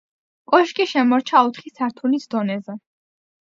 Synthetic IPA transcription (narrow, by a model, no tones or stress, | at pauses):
kʼɔʃkʼiʃɛmɔɾt͡ʃʰaut̪χisaɾt̪ʰunisd̪ɔnɛzɛ